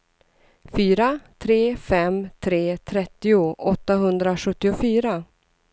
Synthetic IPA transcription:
fyːɾat̪ʰɾeːfɛmt̪ʰɾeːt̪ʰɾɛt̪ːɪʊʔɔt̪ːaɦɵnd̪ɾaɧɵt̪ːɪʊfyːɾa

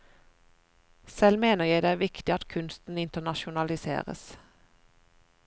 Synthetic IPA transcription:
sɛlmeːnəʁjæɪd̪eːæːʋɪkt̪ɪɑt̪kʰʉnst̪n̩ɪnt̪ənɑʃʊnɑlɪsḛːʁə̰s

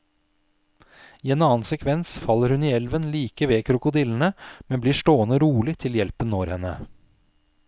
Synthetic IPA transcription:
iːeːnɑːnsɛkʰʋɛnsfɑlːəɾhʉniːɛlʋənliːkəʋeːkʰɾʊkʊd̪iːln̩əmɛnbliːʂʈoːənəɾuːlɪt̪ʰɪljɛlpənoːɾhɛnə̰

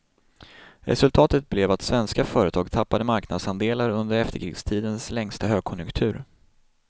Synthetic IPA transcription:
ɾɛ̰sɵlt̪ʰɑːt̪ət̪̚blɛvat̪svɛnskafœːɾət̪ʰɑːɡt̪ʰapːad̪əmaɾknad̪sand̪eːlaɾɵnd̪əɾɛft̪əɾkʰɾɪ̰ːɡst̪ʰiːd̪ənslɛŋst̪aɦøːɡ̚kʰɔnjɵŋkt̪ʰʉ̟ːɾ

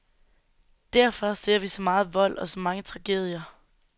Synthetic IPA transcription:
d̥æɐ̰fɒ̽se̝ɐ̰ʋisɒ̽mɑ̈ːð̞̩ˠʋɒ̽l̰ɒ̽sɒ̽mɑ̈ŋət͡sʰʁɑ̈ɡ̥e̝ð̞̰ˠjɐ

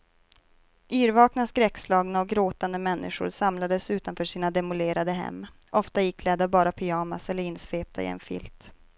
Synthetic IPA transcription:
ʔyːɾvɑːknaskɾɛkːslɑːɡnaɔk̚ɡɾoːt̪and̪əmɛnːɪ̰ɧʊ̰ɾsamlad̪əsʉ̟ːt̪anfœːʂiːnad̪ɛmʊleːɾad̪əɦɛ̰mː | ʔɔft̪ajɪkʰːlɛd̪abɑːɾapʰʏɑːmasɛlːəɾɪnːsveːp̚t̪aɪ̰ɛ̰nfɪ̰lt̪

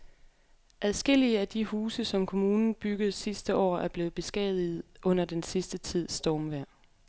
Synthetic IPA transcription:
ʔæð̞ˠsɡ̥e̝l̰iəæd̥ihuːsəsɒ̽mkʰo̝muːnn̩b̥yɡ̥ð̞̩ˠsisd̥əʔɒ̰ːæɐb̥le̝ːð̩ˠb̥e̝sɡ̥ɛ̰ːð̞̩ˠið̩ˠʔɔ̽n̰ɐd̥ensisd̥ət͡sʰið̰ˠsd̥ɒːmʋæɐ̰

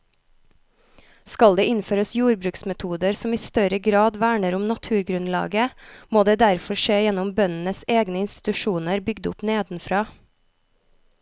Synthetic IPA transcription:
skɑld̪eːʔɪnføːɾəsjuːɾbɾʉːksmɛt̪ʰuːd̪əɾsɔmiːst̪œɾəɡɾɑːd̪ʋæːɳəɾʊmnɑt̪ʰʉːɾɡɾʉnlɑ̰ːɡəmoːd̪eːd̪æɾfɔʃeːjɛnʊmbœnn̩əseːɡnəɪnst̪ɪ̥t̪ʉʃuːnəɾbʏɡd̪ʊpneːd̪n̩fɾɑː

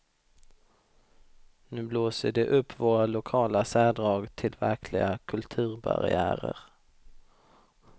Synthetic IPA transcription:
nʉ̟ːbloːsəɖɛʔɵpʰːvoːɾalʊkʰɑːlasæːɖɾɑːɡt̪ʰɪlvæɾkʰlɪɡakʰɵlt̪ʰʉ̟ːɾba̰ɾɪ̰æːɾə̰ɾ

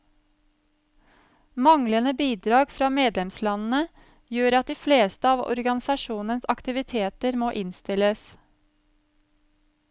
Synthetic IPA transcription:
mɑŋlənəbiːd̪ɾɑːɡfɾɑːmeːd̪lɛmslɑnn̩ə | jøːɾɑt̪̚d̪iːfleːst̪əɑːʋɔ̰ɾɡɑnɪsɑʃuːnənsɑkt̪ɪʋɪt̪ʰeːt̪əɾmoːʔɪnst̪ɪləs

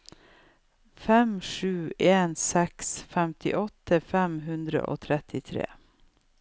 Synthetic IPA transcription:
fɛmʂʉːʔeːnsɛksfɛmt̪ʰɪ̰ʔɔt̪əfɛmɦʉnd̪ɾə̰ʔo̰ːt̪ʰɾɛt̪ʰɪt̪ʰɾḛː

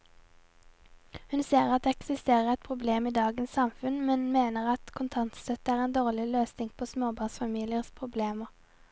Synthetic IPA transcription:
hʉnseːʁɑt̪̚d̪eːɛksɪst̪eːʁəʁɛt̪̚pʰʁʊbleːmiːd̪ɑːɡənsɑmfʉnmɛnmeːnəʁɑt̪kʰʊnt̪ʰɑnt̪st̪œt̪əæːʁeːnd̪oːʁlɪløːsnɪŋpʰoːsmoːbɑːnsfɑmiːlɪəʁspʰʁʊbleːməʁ

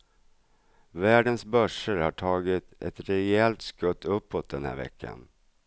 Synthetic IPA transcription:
væːɖənsbœʂəɾhaʈʰɑːɡɪt̪ɛ̰t̪ɾɛɛlt̪skɵt̪ʰːɵpːoːt̪̚d̪ɛnhæ̰ːɾvɛ̰kʰːa̰n

